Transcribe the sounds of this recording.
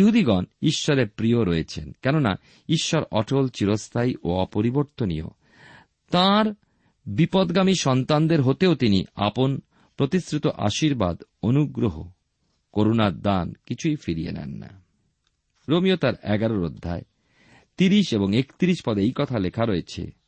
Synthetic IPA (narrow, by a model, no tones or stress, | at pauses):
iɦud̪iɡɔniʃːɔɾepɾioɾɔet͡ɕʰenkɛnona̰ | iʃːɔɾɔʈʰolt͡ɕiɾost̪ʰajʔoɔpoɾiboɾt̪onḭjo̰ | t̪aɾ | bipɔd̪ɡamiʃɔnt̪and̪eɾɦot̪eot̪inḭa̰pon | pɾot̪isɾit̪oʔa̰ʃiɾbad̪onuɡɾoɦo̰ | koɾonaɾd̪ankit͡ɕʰujfiɾijḛnɛ̰nːa̰ | ɾomijot̪aɾɛɡaɾoɾod̪ʱːa̰e | t̪iɾiʃeboŋekt̪iɾiʃpɔd̪ejkɔt̪ʰalekʰaɾoet͡ɕʰḛ